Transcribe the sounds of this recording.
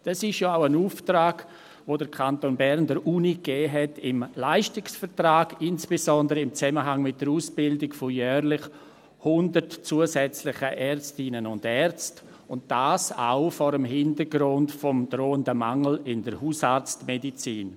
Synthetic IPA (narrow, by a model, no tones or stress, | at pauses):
d̥ɑsɪʃjɔaʊənuːftɾaːɡ̥ | ʋoːdəɾkʰantonbɛɾndəɾʔuːnikɛːɦɛtʰɪmlaɪʃtɪksfəɾtɾaːɡ̥ɪnsb̥ezɔndəɾəɪmt͡sɛməɦaŋmɪt̚d̥əɾuːsb̥ɪldɪkfɔjœːɾlɪχ | hʊndəɾtt͡suːəsɛt͡slɪχəʔɛɾt͡stɪnənʊndɛɾt͡st | ʊnt̚d̥aːsa̰ʊfɔɾəmɦɪntəɾɡɾʊntfɔmdɾoːəndəmaŋl̩ɪndəɾhuːsaɾt͡stmedit͡siːn